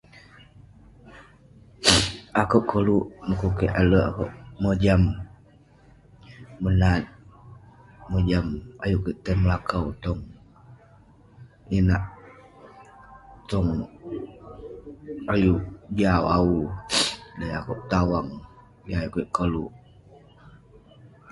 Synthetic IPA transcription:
akəʔ̚kʰəluʔməkukəʔaləʔakoʔməd͡ʒam | ənat̪̚ | məd͡ʒama̰juʔkəʔt̪əməlakəwt̪ɔŋ | inaʔ | t̪ɔŋ | ajuʔd͡ʒawau | ləjakuʔ̚t̪awaŋ | iajuʔkəʔkəluʔ

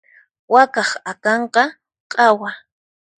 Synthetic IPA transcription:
wakɑχakɑɴqɑ | qʼɑwa

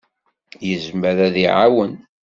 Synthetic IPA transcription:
jəzmæðæðiʕawən

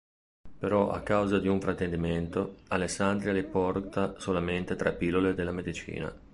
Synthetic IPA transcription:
peɾɔʔa̰kːawzad̪iuɱfɾat̪ːend̪iment̪oalesːand̪ɾiaɾipɔrt̪asolament̪et̪ɾapilːoled̪elːamed̪it͡ʃḭːna̰

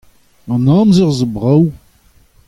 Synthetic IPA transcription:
namzɪʁzəbʁaw

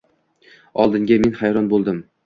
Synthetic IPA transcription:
ɒlˠd̪ɪŋɡʲame̞nhajɾɒnbolˠd̪ɪm

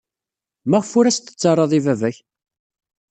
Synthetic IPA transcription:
mæʁfʊɾæst̪ːə̥t͡sːɑrˤːɑðˤivævæç

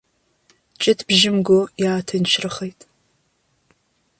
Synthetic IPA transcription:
t͡ʃʼɪtʰb̥ʒɪmɡʷojaːtʰɐnʃrɨχɐjtʰʼ

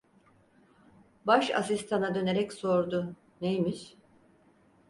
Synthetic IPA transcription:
baʃa̰sist̪ʰanad̪ø̞ne̞ɾɛcso̞ɾd̪ʊ | nejmiʃ

